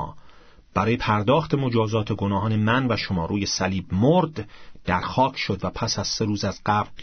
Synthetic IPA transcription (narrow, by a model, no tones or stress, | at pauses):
b̥æɾɒːje̞pʰæɾd̪ɒːxt̪ʰe̞mo̞d͡ʒɒːzɒːt̪ʰe̞ɡo̞nɒːɦɒːne̞mænvæʃomɒːɾuːje̞sæliːbmoɾd̪̥ːæɾxɒːkʰʃo̞d̪væpʰæsæz̥se̞ɾuːzæzɢæbɾ